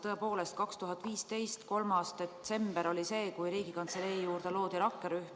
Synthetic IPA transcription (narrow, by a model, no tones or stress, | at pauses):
t̪ɤ̞e̞po̞ːle̞st̪̚kɑkst̪uɦɑt̪ːˑviːst̪e̞jst̪ko̞lmɑst̪e̞t̪se̞mb̥eɾo̞lʲise̞ːkujɾiːɡ̥ikɑnt̪se̞leijuːrd̪elo̞ːd̪̥iɾɑkːeɾyhm